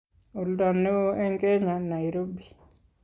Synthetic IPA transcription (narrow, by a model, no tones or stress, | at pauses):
uldanːɪwoɛŋkeɲanajɾobi